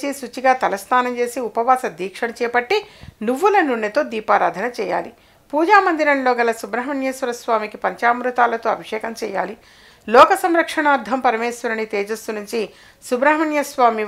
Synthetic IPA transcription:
t͡ʃisut͡ʃiɡaːt̪ɐlɐst̪ʰaːnɐmt͡ʃe̞ːsiupɐʋaːsɐd̪ʱiːkʂɐɳɐt͡ʃɛːpɐʈːinuʋːulɐnuɳːɐt̪o̞ːd̪iːpaːɾa̰ːd̪ʱɐnɐt͡ʃɛːja̰ːli | puːd͡ʒaːmɐnd̪iɾɐnloːɡɐlɐsubɾɐɦɐmɐɳjɐsʋɐɾɐsʋaːmikipɐɲt͡ʃaːmɾut̪aːlɐt̪oːɐbʱiʂɛːkɐmt͡ʃɛːja̰ːli | lɔːkɐsɐmɾɐkʂɐɳaːɾd̪ʱɐmpɐɾɐmɛːsɐɾɐnit̪ɛːd͡ʒɐst̪unuɲt͡ʃi | subɾɐɦɐmɐɳjɐsʋaːmi

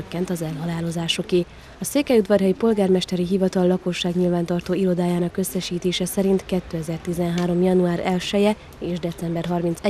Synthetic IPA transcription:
økːɛnt̪ɒzɛlɦɒlaːlo̞zaːʃokeː | ɒseːkɛud̪vɒrɦɛjipo̞lɡaːrmɛʃt̪ɛɾiɦivɒt̪ɒlːɒko̞ʃːaːɡɲilvaːnt̪ɒrt̪oːilo̞d̪aːjaːnɒkø̞sːɛʃiːt̪eːʃɛsɛɾint̪kɛt̪ːøːɛzɛrt̪izɛnɦaːɾo̞mjɒnuaːɾɛlʃɛjɛ | eːʒd̪ɛt̪sɛmbɛrɦɒrmint̪sɛ

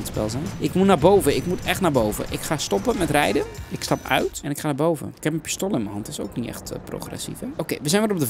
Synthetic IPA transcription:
tspɛ̰lˠzɛnʔɪkmunaːboːvəɪkmutɛxtnabowvə̰ʔɪkxastɔpəmɛtrɛjdəɪkstɑpœ̰ɥtɛnɪkxaːnabowvə̰ɪkhɛp̚mənpi̥stolˠəɪnməhɑntɪso̰ːknitɛ̰xtpro̰xrɛ̰sḭfɛokeːʋəsɛjnʋɔlop̚də

